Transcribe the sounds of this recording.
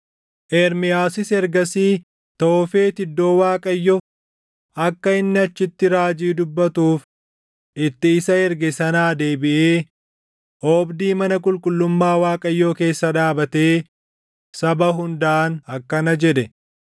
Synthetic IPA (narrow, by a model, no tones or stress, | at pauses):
ʔɛɾmɪjaːsɪsɛɾɡɐsiː | t̪oːfeːt̪ɪd̪ːo̞ːwaːkʼɐjːɔ | ɐkːɐɪnːɪɐt͡ʃːɪt̪ːɪɾaːd͡ʒiːd̪ʊbːɐt̪uːf | ɪt̪ːɪːsɐɛɾɡɛsɐnaːd̪eːbɪʔeː | ʔɔːbd̪iːmɐnɐkʼʊlkʼʊlːʊmːaːwaːkʼɐjːoːke̞ːsːɐᶑaːbɐt̪e̞ː | sɐbɐɦʊnd̪ɐʔːnɐkːɐnɐd͡ʒɛᶑɛ